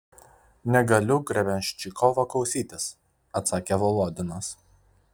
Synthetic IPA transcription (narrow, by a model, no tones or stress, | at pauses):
nʲɛɡɐlʲʊɡɾʲɛbʲɛnʲʃʲt͡ʃʲɪkʰɔʋoklˠɒʊsʲiːt̪ʲɪs | ɐt̪sɑːkʲeʋɔlˠuːd̪ʲɪnɐs